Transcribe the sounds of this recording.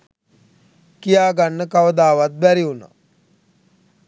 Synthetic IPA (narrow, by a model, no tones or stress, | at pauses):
kijaːɡanːəkaʋəd̪aːʋat̪̚bæɾiuna̰